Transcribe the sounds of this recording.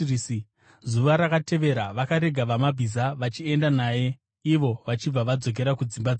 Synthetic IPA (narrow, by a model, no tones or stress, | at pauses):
si | zuʋaɾakate̞ʋe̞ɾaʋakaɾe̞ɡʱaʋamabʱizaʋat͡ʃie̞ndanaːje̞ | iʋo̞ʋat͡ʃib͡vaʋad͡zo̞k̬e̞ɾakud͡zimbad͡z